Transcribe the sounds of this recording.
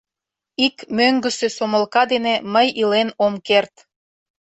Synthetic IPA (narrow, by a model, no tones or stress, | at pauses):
ikmøŋɡə̆sesoməlkɑd̪eneməjilenomkert̪